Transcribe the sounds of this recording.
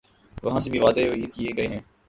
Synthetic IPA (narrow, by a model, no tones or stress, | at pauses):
ʋɐɦãːsebʱiʋaːd̪eoiːt̪kieɡəeɦɛ̃ː